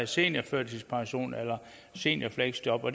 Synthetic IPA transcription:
se̝̰ːnjɐføɐ̰d̥ʰispʰɑ̈ŋɕo̝̰ːnelɐ | se̝̰ːnjɐfleɡ̥sd̥ɒb̥ɒd̥

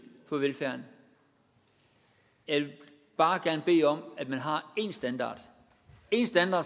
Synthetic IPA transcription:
fɒ̽ʋelfæɐ̰n | jɑɪʋe̝ | b̥ɑ̈ːɡ̥æɐnəb̥e̝̰ːɒ̽m̰æd̥mænɦɑ̈e̝ːnsd̥ænd̥ɑ̰̈ːd̥ | e̝nsd̥ænd̥ɑ̥̈ː

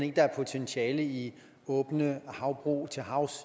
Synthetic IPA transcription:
ne̝ɡ̥əd̥ɑæɐpʰo̝t͡sʰensʰɛːləi | ɔ̽ːb̥nəhɑ̈ʊb̥ʁṵːt͡sʰe̝lɦɑ̈ʊs

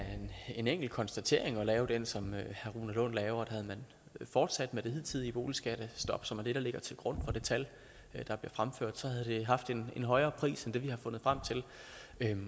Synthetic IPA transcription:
æɐene̝neŋ̰ɡ̥l̩kʰɒ̽nsd̥æt͡sʰe̝̰ɐ̰e̝ŋɒ̽lɛːʊd̥ensɒ̽møhæʁuːnælɔ̽n̰lɛːʊɐd̥æhæð̞̩ˠmæn | fɒːd̥sæd̥med̥e̝hið̰ˠt͡sʰiðˠib̥o̝ːlisɡ̥æɾ̥əsd̥ɒ̽b̥sɒ̽mæɐd̥e̝ɾ̥ɑ̈le̝ɡ̥ɐt͡sʰe̝lɡ̥ʁɔ̽n̰fɒ̽d̥e̝t͡sʰæl | d̥ɑ̈b̥li̝ɐfʁamfø̰ɐ̰d̥sɒ̽hæðˠd̥e̝ɦɑ̈fd̥e̝nenɦɒ̽ɪɐːpʰʁḭːsend̥e̝ʋihɑ̈fɔ̽n̰ð̞̩ˠfʁam̰t͡sʰe̝l

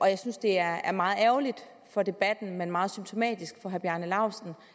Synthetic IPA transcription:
ʔɒ̽jɑ̈ɪsynsd̥e̝æɐæɐmɑ̈ːð̩ˠæɐʊlid̥ | fɒ̽d̥e̝b̥æd̥n̩menmɑ̈ːð̩ˠsymt͡sʰo̝mɛ̰ːd̥isɡ̥fɒ̽ɦæɐb̥jænəlɑ̈ʊ̰sn̩

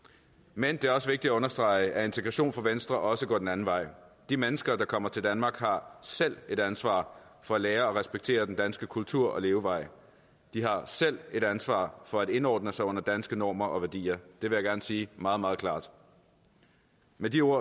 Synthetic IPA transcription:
mend̥e̝æɐɒ̽səʋeɡ̚d̥id̥æɔ̽nɐsd̥ʁɑ̈ɪʔæɐe̝nt͡sʰeɡ̥ʁɑ̈ɕo̝̰ːnfɒ̽ʋensd̥ʁɐʔɒ̽səɡ̥ɒ̰ːd̥enæn̩ʋɑ̈ɪ̰d̥imenəsɡ̥ɐd̥ɑ̈kʰɒ̽m̰ɐt͡sʰe̝ld̥ænmɑ̈ːɡ̥hɑ̈sel̰e̝ɾ̥ænsʋɑ̰̈ːfɒ̽æleːɐɒ̽ʁɛsb̥eɡ̥t͡sʰe̝̰ːɐdend̥ænsɡ̥əkʰult͡sʰuɐ̰ʔɒ̽le̝ːʊəʋɑ̈ɪ̰ | d̥iɦɑ̈sel̰e̝ɾænsʋɑ̰̈ːfɒ̽æɾ̥e̝nɒ̰ːd̥nəsɑ̈ɪɔ̽n̰ɐd̥ænsɡ̥ənɒ̰ːmɐʔɒ̽ʋæɐd̥ḭːɐd̥e̝ʋe̝jaɡ̥æɐnsiːmɑ̈ːð̞̩ˠmɑ̈ːðˠkʰlɑ̰̈ːd̥ | med̥io̝ɐ̰

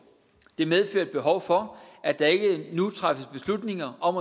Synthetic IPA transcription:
d̥e̝með̞ˠfø̰ɐ̰d̥̚b̥e̝ɦɒʊfɒ̽æd̥ɑ̈e̝ɡ̥ənut͡sʰʁafəsb̥e̝slud̥ne̝ŋɐʔɒ̽m

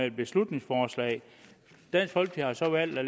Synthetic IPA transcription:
ɛld̥̚b̥e̝slud̥ne̝ŋsfɒːslɛ̰ɪ | d̥æn̰sɡ̥hɒ̽l̰ɡ̥d̥ihɑ̈sɒ̽ʋæl̰d̥æl

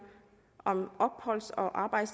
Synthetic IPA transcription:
ʔɒ̽mʔɒ̽b̥hɒ̽l̰sɒʔɑ̈ːb̥ɑ̈ɪd̥s

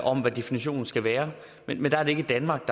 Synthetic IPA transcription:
ʔɒ̽mʋæd̥e̝finiɕo̝̰ːn̩sɡ̥æʋæːɐ | menmend̥ɑɐɾe̝e̝ɡ̥əd̥ænmɑ̈ːɡ̥̚d̥ɑ

